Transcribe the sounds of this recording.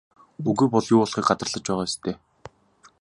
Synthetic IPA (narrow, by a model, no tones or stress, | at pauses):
uɣuːpɔɮjʊːɔɮχiːk̚ɢat͡s̪ə̆rɮə̆t͡ɕpæːʁaːest̪ʰeː